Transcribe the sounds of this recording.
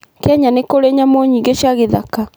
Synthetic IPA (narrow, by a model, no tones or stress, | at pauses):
kɛɲanekoɾeɲamoɲiːɡeɕaɣeðaka